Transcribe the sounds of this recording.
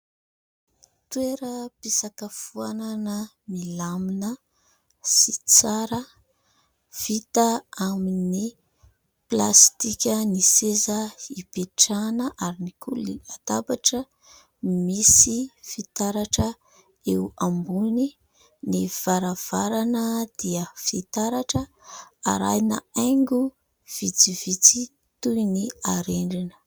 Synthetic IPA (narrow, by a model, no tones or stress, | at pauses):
t̪weɾəpisakəfuananə | milaminə | sit͡saɾə | fit̪aamini | plast̪ikʲənisezəipeʈ͡ʂanəʔaɾinikʰuliat̪abaʈ͡ʂə | misifit̪aɾaʈ͡ʂə | ewambuni | niv̥aɾav̥aɾanəd̪̥iəfit̪aɾaʈ͡ʂə | a̰ɾa̰jna̰ajŋɡu | v̥it͡sivit͡si | t̪ujniaɾeɳɖ͡ʐinə̥